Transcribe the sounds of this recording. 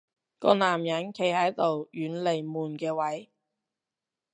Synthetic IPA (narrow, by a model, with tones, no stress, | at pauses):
kɔ̰ː˧naː˨mjɐ˨˥nkʰe˨˧jhɐ˨˥jt̪o˨wjyː˨˥nle˨˩jmuː˨˩nkɛː˧wɐ˨˥j